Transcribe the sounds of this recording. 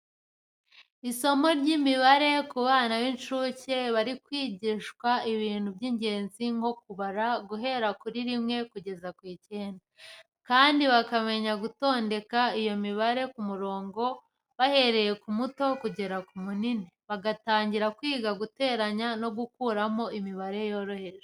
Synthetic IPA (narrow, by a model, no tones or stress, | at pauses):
iso̞mo̞ɾɟimiβaɾe̞kuβaːnawinʃuːce̞βaɾikwiːɟiːʃkwaiβiːn̥hubɟiːɲɟe̞ːnziŋɡo̞k̚uβaɾaɡuɦe̞ɾakuɾiɾimŋe̞kuɟe̞zakwiːceːnda | kaːndiβakame̞ɲaɡuto̞ːnde̞kaijo̞miβaɾe̞kumuɾo̞ːŋɡo̞ | βahe̞ɾe̞je̞kumuto̞kuɟe̞ɾakumunineβaɡataːɲɟiɾakwiːɡaɡute̞ːɾaɲano̞ɡukuːɾamo̞imiβaɾe̞jo̞ːɾo̞he̞ʒe